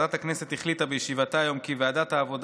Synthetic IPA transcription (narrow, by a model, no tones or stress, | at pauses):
dat̪aknese̞t̪hiχlit̪abejeʃivatajo̞mkiveadathaːvo̞d